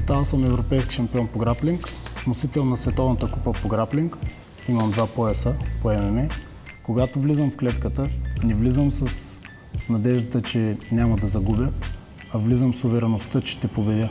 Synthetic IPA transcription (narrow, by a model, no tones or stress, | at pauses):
st̪avəsəmɛvɾopɛjski̥ʃɐmpiɔnpoɡɾapliŋknosit̪ɛlˠnɐsvɛt̪ɔvnət̪əkupəpoɡɾapliŋk | imɐmd̪vapoɛsəpoɛmɛmɛ | koɡat̪ovlizəmfklɛt̪kət̪ənɛvlizəmsɐs | nɐd̪ɛʒd̪ət̪ət͡ʃɛnʲamɐd̪ɐzɐɡubʲə | ɐvlizəmsʊvɛɾɛnoft̪ət͡ʃɛ̥t̪ɛpobɛd̪ʲə